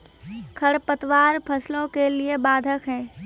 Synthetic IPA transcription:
kʰəɽpət̪waːɾpʰəslõkeliebaːd̪ʱəkɦɛ̃ː

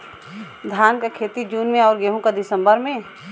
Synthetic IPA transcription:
d̪ʱjaːnkakʰeːt̪id͡ʒuːnmẽɔːɾɡeːɦũkad̪ɪsə̃mbəɾmẽː

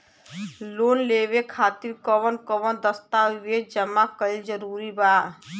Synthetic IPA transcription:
lonleβekʰat̪iɾkəβənkɔβənd̪əst̪abed͡ʒəmakəild͡ʒəɾuɾiba

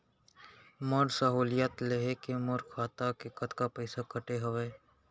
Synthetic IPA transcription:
məɾsəɦuːlijat̪leɦekeməɾkʰaːt̪akekət̪kapəɪsakəʈeɦɐʋeː

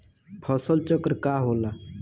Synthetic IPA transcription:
pʰəsəlt͡ʃəkɾkaːɦoːla

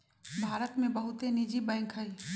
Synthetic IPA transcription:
bʱaːɾət̪mẽbəɦʊt̪enid͡ʒibɛ̃ːkʰɦəi

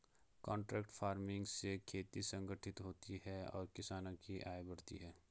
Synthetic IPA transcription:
kɔ̃ːɳʈɾɛːkʈfʰaːɾmɪ̃ŋɡsekʰeːt̪isɐ̃ŋɡʱəʈʰɪt̪ɦoːt̪iɦɛɔ̰ːɾkɪsaːnãkiʔaːebɐɽt̪ḭɦɛː

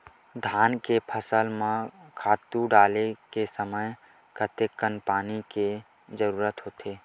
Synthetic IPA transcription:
d̪ʱaːnkepʰəsəlmãkʰaːt̪uɖaːlekesəməj | kət̪ekːənpaːnike | zəɾuːɾət̪ɦoːt̪ʰeː

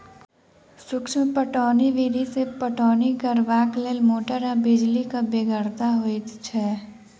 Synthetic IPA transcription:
sʊkʃmpəʈɔːniʋiːd̪isepəʈɔːniɡəɾʋaːkleːlmoːʈəɾabɪd͡ʒlikabeɡəɾt̪aɦoit̪t͡ʃʰɛː

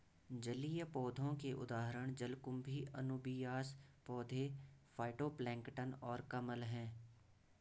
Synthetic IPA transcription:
d͡ʒəlijəpɔːd̪ʱõkeʔʊ̰d̪aːɦɾəɽ̃d͡ʒəlkʊmbʱiʔə̰nʊbijaːspɔːd̪ʱefʰaːɪʈoːplɛ̃ːŋkʈənɔːɾkəməlɦɛ̃ː

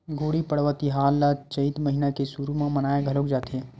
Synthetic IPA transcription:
ɡʱoːɽipɐɽʋət̪iɦaːlːat͡ʃɐit̪mɐɦinakesuɾumãmɐnaːeɡʱɐlokd͡ʒaːt̪eɦɛ̃ː

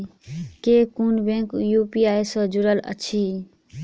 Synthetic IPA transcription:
kekunbẽŋkjupiaːesəd͡ʒuɾələ̰t͡ʃʰi

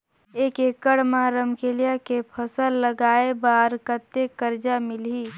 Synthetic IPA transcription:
eːkekəɽmaɾəmkeːlijakepʰəsəlːəɡaːebaːɾkət̪ːekəɾd͡ʒamɪlɦiː

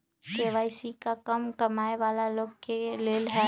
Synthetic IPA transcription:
keːʋaːisikakɐmkɐmaːeʋaːlaloːɡkeleːlɦɛː

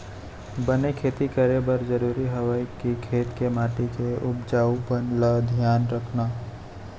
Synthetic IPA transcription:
bənekʰeːt̪ikəɾebəɾd͡ʒəɾuːɾiɦəʋəjkikʰeːt̪kemaːʈikeʊbd͡ʒaːubənləd̪ʱjaːnɾəkʰnaː

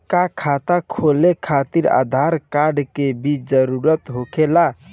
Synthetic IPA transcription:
kakʰat̪akʰolekʰat̪iɾa̰d̪ʱaɾkaɾɖkebid͡ʒəɾuɾət̪ɦokela

